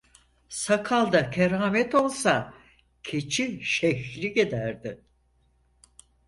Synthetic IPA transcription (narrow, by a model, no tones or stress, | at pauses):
sakʰalˠd̪akʰeɾaːmɛt̪o̞lˠsa | cʰet͡ʃʰiʃɛçlʲiɟed̪æɾd̪ɪ